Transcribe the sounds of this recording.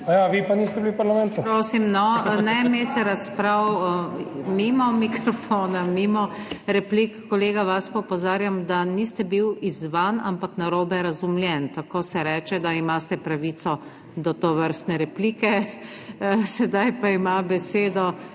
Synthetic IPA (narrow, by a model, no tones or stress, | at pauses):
ajaʋiːpaniːst̪ɛbiliwpaɾlamɛ̃nt̪upɾoːsimnɔnɛmeːt̪ɛɾaspɾaw | mimɔmikɾɔfoːnamimɔɾɛplikːɔleːɡaʋaspaɔpɔzaːɾjamd̪anist̪ɛbiwizʋana̰mpaknaɾoːbɛɾɐzumljɛnt̪akoːsɛɾɛːt͡ʃɛd̪aimast̪ɛpɾaʋiːt̪sɔ | d̪ɔt̪ɔʋəɾst̪nɛɾɛpliːkɛ | sɛd̪ajpaimabɛseːd̪ɔ